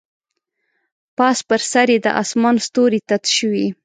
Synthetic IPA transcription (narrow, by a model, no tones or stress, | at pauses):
pɑspəɾsaɾjed̪ə̰ʔɑ̰smɑnst̪oɾit̪at̪ʃəwi